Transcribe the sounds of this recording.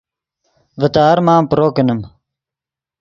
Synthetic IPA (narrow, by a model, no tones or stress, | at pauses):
vət̪aːɾmaːmpɾoːkənəm